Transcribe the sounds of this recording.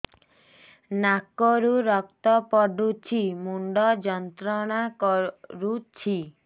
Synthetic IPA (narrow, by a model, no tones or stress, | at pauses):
nakɔɾuɾɔk̚t̪ɔpɔɖut͡ʃʰimuɳɖɔd͡ʒɔnt̪ɾɔɽ̃akɔɾut͡ʃʰi